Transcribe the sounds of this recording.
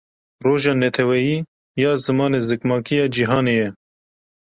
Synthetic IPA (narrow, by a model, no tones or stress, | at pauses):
roːʒɑːnɛt̪ʰɛwɛjiː | jɑːzɨmɑːneːzɨkmɑːkʰijɑːd͡ʒiɦɑːneːjɛ